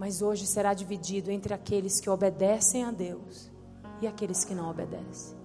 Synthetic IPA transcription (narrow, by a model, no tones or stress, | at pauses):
mɐzoʒɪseɾad͡ʒivid͡ʒid̪ʊẽnt̪ɾɪakelɪskɪobed̪ɛsẽj̃ad̪ews | ɪakelɪskɪnɐ̃w̃obed̪ɛ̰sẽ̥